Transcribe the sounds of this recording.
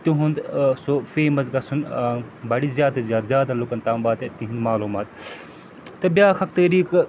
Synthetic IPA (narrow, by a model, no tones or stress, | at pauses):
t̪uɦund̪sofeːmɐsɡɐsʰunbɐɽizʲjaːd̪ɐzʲjaːd̪zʲjaːd̪alukɐnt̪aːmbaːt̪et̪iɦind̪maːluːmaːt̪ | t̪ɐbʲjaːkʰɐkt̪ɐːɾiːk